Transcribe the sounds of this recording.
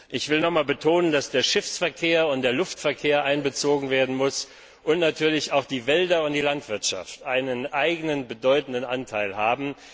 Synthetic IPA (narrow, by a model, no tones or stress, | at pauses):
ʔɪçv̥ɪlnɔχmaːlbətʰoːnəndasd̥eːɐʃɪfsfɛɐkʰeːɐʊntd̥eːɐlʊftfɛɐkʰeːɐʔaɪnbət͡soːɡŋ̩veːɐdn̩mʊs | ʔʊntnatʰyːɐlɪçaʊxd̥iːvɛldɐʊnt̚d̥iːlantv̥ɪɐtʃa̰ftʔaɪnənʔaɪɡənənbədɔʏtn̩dənʔantʰaɪlɦaːbm̩